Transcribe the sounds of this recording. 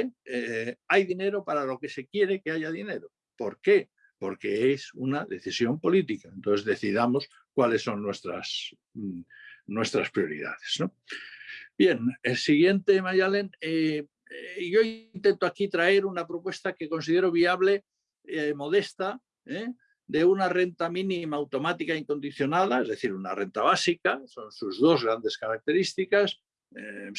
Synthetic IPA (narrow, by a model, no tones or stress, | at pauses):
eajðine̞ɾo̞paɾalo̞ke̞se̞kje̞ɾeke̞aʝaðine̞ɾo̞ | po̞ɾke̞ | po̞ɾke̞esunaðe̞θisjo̞mpo̞lit̪ikaent̪onθe̞zðe̞θiðamo̞s | kwale̞sːo̞nːwe̞st̪ɾa̰s | nwe̞st̪ɾaspɾjo̞ɾḭða̰ðe̞zno | bje̞nelsiɣ̞je̞nt̪emajale̞ne | ʝo̞int̪e̞nt̪oakit̪ɾae̞ɾunapɾo̞pwe̞st̪ake̞ko̞nsiðe̞ɾoβ̞iaβle̞ | mo̞ðe̞st̪a | e | d̪e̞unare̞nt̪amĩnĩmaːwt̪o̞mat̪ikaiŋko̞nd̪iθjo̞nað̞aezðe̞θiɾuna̰re̞nt̪aβ̞asikaso̞nsuzðo̞zɣ̞ɾand̪e̞skaɾak̚t̪e̞ɾist̪ikas